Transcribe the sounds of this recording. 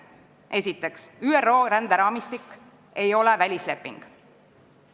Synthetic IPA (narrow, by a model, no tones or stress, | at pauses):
ʔe̞sʲit̪ːˑe̞ksyːero̞ːɾænd̪̥eɾɑːmist̪ikːˑ | e̞jo̞levælʲisle̞pːˑḭŋɡ̥